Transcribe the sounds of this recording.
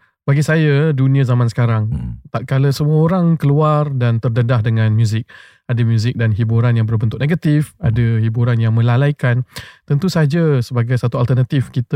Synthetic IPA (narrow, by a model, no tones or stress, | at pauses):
baɡisajadunĩə̃zamansə̥kaɾaŋt̪at̪̚kaləsəmuəoɾaŋkəluardant̪ərdədahdəŋãnmjũzɪk̚ | adəmjũzɪk̚danɦibuɾanjaŋbərbənt̪ʊk̚ʔ̚neɡat̪ifadəhibuɾanjaŋmə̃lalajkant̪ənt̪usad͡ʒasəbaɡajsat̪ualt̪ərnat̪ifkit̪ə